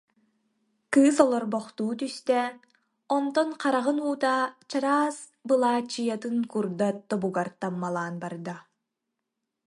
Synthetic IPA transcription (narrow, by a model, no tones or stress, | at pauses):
kɯːsɔlˠɔɾbɔχt̪uːt̪yst̪ɛ | ɔnt̪ɔnqaɾaʁɯnuːt̪aːt͡ɕaɾaːs | bɯlˠaːt͡ɕːɯjat̪ɯnkuɾd̪at̪ɔbuɡaɾt̪amːalˠaːnbaɾd̪a